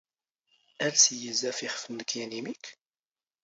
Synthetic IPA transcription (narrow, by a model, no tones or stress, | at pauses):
ælsjəzæfiχfənːəkjænimik